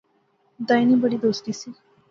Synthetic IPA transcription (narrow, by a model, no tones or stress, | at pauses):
d̪aːjnibəɽiːd̪oːst̪iːsiː